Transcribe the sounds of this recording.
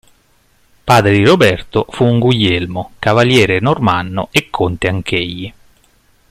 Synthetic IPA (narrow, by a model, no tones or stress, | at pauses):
paːd̪ɾed̪iɾobɛrt̪ofuːŋɡuʎːelmokavaljɛːɾenormanːo̰ekʰːont̪eaŋkeʎːi